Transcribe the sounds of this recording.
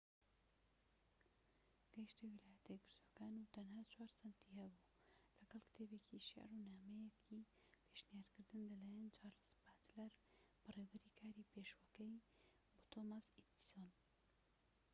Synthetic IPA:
ɡ̥ɛjʃt̪iwilaːjɛt̪ʰɐjɡɨɾt̪ʰwokaːnut̪ɐnhaːt͡ʃʰwaːɾsant̪ihɛbuː | lɐɡɐlˠkɨ̥t̪ʰeːbekiʃa̰runaːmɛjekʰi | pʰeʃnijaːɾkɨɾd̪ɨnlɐlaːjɛnt͡ʃʰaːɾspaːt̪laɾb̥ɐrewbɨɾikʰaːɾipʰeʃwɐkɐj | but̪ʰomasit̪i̥son

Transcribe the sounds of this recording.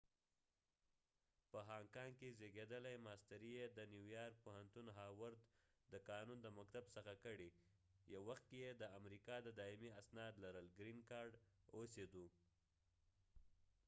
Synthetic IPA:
pəɦɑŋkɑŋɡkezeɡed̪əlajmɑst̪aɾijed̪ənjuwjɑɾk̚pohant̪unɦɑwaɾd̪ | d̪əkɑnund̪əmakt̪absəxakəɽi | jawwaxt̪̚kejed̪əamɾikɑd̪əd̪ɑɪmiasnɑd̪laɾəlɡɾinkɑɾɖosed̪u

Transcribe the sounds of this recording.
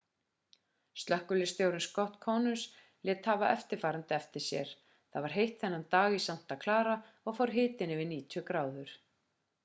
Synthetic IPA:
st̪lœhkʏlɪst̪jowɾɪnskɔht̪kʰɔːnʏs | lɪːt̪havaʔɛft̪ɪɾ̥faːɾant̪ɪɛft̪ɪɾ̥sjɛ̰ɾ̥ | θaðvaɾ̥ɦejht̪θɛnːant̪aːɣisam̥t̪akʰlaːɾa | ɔɣfawɾ̥ɦɪːt̪ɪnɛvɪniːt̪ʰʏkɾaːwðʏɾ̥

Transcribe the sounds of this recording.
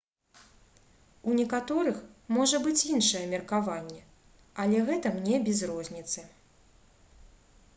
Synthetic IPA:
unʲɛkat̪ɔɾɨxmɔʐɐbɨt͡sʲinʂɐjɛmʲɛrkavanʲːɛ | ɐlʲɛɣɛt̪ɐmnʲɛbʲɛzrɔzʲnʲit̪sɨ

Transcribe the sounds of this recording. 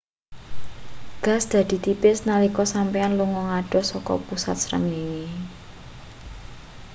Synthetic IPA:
ɡ̥ä̤sd̪̥ä̤d̪̥i̤t̪ipɪsnalikɔsampianluŋɔŋaɖ̥ɔ̤sɔkɔ̰pusa̰t̪̚sɾə̰ŋiwi

